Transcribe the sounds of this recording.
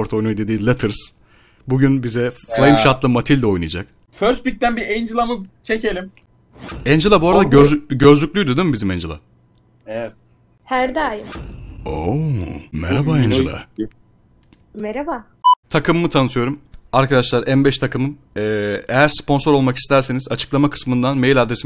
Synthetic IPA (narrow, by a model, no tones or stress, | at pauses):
oɾt̪ʰo̞jnujd̪e̞d̪iːzlʲˠet̪ʰɯɾs | buɟynbizɛflˠejmʃat̪lˠɯmat̪ʰilʲd̪ɛo̞jnɯjad͡ʒak̚ | føɾt̪̚bic̚d̪ænbiʔejind͡ʒilˠamɯzt͡ʃʰecʰe̞lʲim | ɛnd͡ʒelˠabuaɾad̪aɟøzlʲycʲlʲyjd̪ed̪imbizimɛnd͡ʒelˠa̰ | evɛt̪̚ | hæɾd̪aːjɯmo | mɛ̰ɾabaɛnd͡ʒelˠa̰ | mɛɾaba | t̪ʰakɯmːɯt̪ʰanɯt̪ʰɯjo̞ɾumaɾkʰad̪aʃlˠaɾʔænbɛʃt̪ʰakɯmɯm | ɛːejæɾspo̞nsoɾo̞lˠmaki̥st̪ʰæɾse̞nizat͡ʃʰɯ̥klˠamakʰɯ̥smɯnd̪anmejilʲad̪esi